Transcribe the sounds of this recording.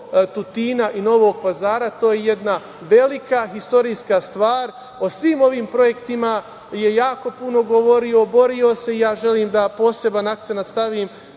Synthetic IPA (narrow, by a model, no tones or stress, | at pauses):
t̪ut̪iːnaʔino̞ʋoːɡ̚pazaːɾat̪o̞ːjeje̞d̪na | ʋe̞likaɦist̪o̞ɾijskast̪ʋaːɾ | o̞sʋiːmo̞ʋiːmpɾo̞je̞kt̪ima | je̞jaːko̞puno̞ɡoʋoɾio̞bo̞ɾio̞se̞ijaːʒe̞liːmd̪apo̞ːse̞banak̚t̪senat̪st̪aʋiːm